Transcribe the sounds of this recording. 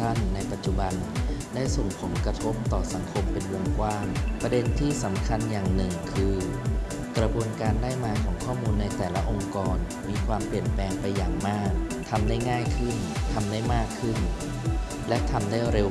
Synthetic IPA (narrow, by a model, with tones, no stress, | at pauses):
a˥˩nːa˧jpa˨˩t̪̚t͡ɕu˨˩ba˧ndaː˥˩jso˨˩ŋpʰo˩˦nkɾa˧t̪ʰo˦˥p̚t̪ɔː˨˩sa˩˦ŋkʰo˧mpe˧nwo˧ŋkwaː˥˩ŋpɾa˧de˧nt̪ʰiː˥˩sa˩˦mkʰa˧njaː˨˩ŋnɯ˨˩ŋkʰɯː˧ | kɾa˧bu˧ənkaː˧ndaː˥˩jmaː˧kʰɔː˩˦ŋkʰɔː˥˩muː˧nːa˧jt̪ɛː˨˩la˦˥ʔo˧ŋkɔː˧n | miː˧kʰwaː˧mpli˨˩ənplɛː˧ŋpa˧jːaː˨˩ŋmaː˥˩k̚ | t̪ʰa˧mdaː˥˩jŋaː˥˩jkʰɯ˥˩nt̪ʰa˧mdaː˥˩jmaː˥˩kʰːɯ˥˩n | lɛ˦˥ʔt̪ʰa˧mdaː˥˩ɾe˧w